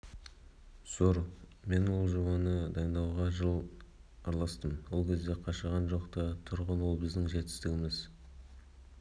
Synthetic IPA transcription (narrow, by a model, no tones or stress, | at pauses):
soɾ | me̞nwo̞lˠʒəbɑnəd̪ɑjnd̪ɑwʁɑʒəlˠ | ɑɾlˠɑst̪əmwo̞lˠkʲʰe̞zd̪e̞qʰɑʃəʁɑnʒo̞qt̪ɑt̪ʰʊɾʁənwo̞lˠbɪzd̪ɪŋʒe̞t̪ɪ̥st̪ɪɡʲɪmɪz